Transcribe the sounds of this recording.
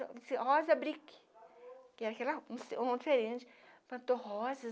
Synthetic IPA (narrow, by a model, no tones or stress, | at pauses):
sihɔzɐbɾik | kɪɛɾɐkɛlɐũseõõd͡ʒifeɾẽnt͡ʃɪ̥pɐ̃t̪oɦɔzɐ